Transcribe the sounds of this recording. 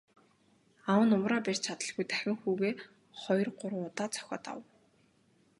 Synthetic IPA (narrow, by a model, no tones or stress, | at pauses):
awə̆nʊmraːpær̥ʲt͡ɕʰat̪ə̆ɮɣujt̪æxʲɪ̆ŋxuːɣeː | χɔj̆rɢʊrʊt̪aːt͡sʰœ̥xʲɔ̰ːt̪a̰w